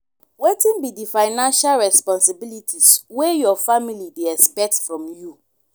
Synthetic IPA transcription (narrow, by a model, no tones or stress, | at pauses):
wetĩnbidifaɪnãnʃalɹɛspɔ̃nsibilitʰiswejɔfamilideɛkspɛk̚tfɹɔ̃mju